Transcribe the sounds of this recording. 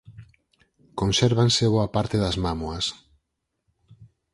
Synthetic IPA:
kõnseɾβanseβoapaɾt̪eðɐzmamuɐs

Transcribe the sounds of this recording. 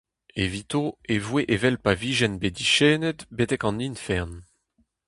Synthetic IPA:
evit̪oevweʔevɛlpaviːʒɛnbed̪iʃɛːnɛt̪bet̪ɛkɑ̃ninfɛʁn

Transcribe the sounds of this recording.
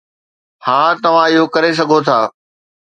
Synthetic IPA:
hãːt̪ɐʋ̤ãɪɦokɐɾes̬ɐɡʱot̪ʰaː

